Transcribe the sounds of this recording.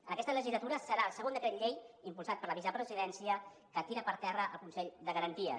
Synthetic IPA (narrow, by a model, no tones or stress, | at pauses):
ənəkɛst̪ələʒizlət̪uɾəsəɾaəlˠsəɣond̪əkɾɛt̪ʎejimpulˠsat̪̚pəɾləβizəpɾəziðɛnsiə | kət̪iɾəpəɾt̪ɛrəʔə̰lˠkunsɛʎd̪əɣəɾənt̪iə̰